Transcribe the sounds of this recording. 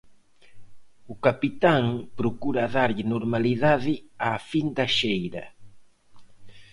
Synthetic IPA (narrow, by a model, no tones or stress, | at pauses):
ʊkapit̪aŋpɾokuɾaðaɾʎɪnoɾmaliðaðɪafind̪aʃejɾɐ